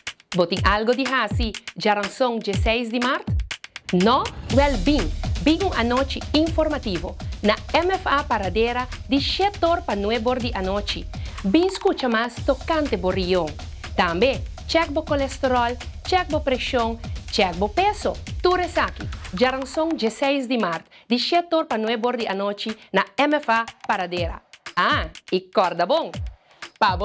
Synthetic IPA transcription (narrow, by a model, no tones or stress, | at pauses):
bot̪ĩŋalɡod̪iɦasid͡ʒaɾaŋsõŋd͡ʒesejsd̪imaɾt̪nɔ̃wɛlbĩŋbĩŋuŋanot͡ʃiĩŋfoɾmat̪ivonɐɛmefapaɾad̪eɾɐd̪iʃet̪oɾpanweboɾd̪iʔanot͡ʃibĩŋskut͡ʃɐmast̪okãnt̪eborijõŋ | t̪ãmbe | t͡ʃɛk̚bokolest̪eɾɔlt͡ʃɛk̚bopɾeʃjõŋt͡ʃɛk̚bopesot̪uɾesakid͡ʒaɾãnsõŋd͡ʒesɛjsd̪imaɾt̪d̪iʃet̪oɾpanweboɾd̪ianot͡ʃinaɛmefapaɾad̪eɾɐ̰aikɔɾd̪ɐbõŋ | pab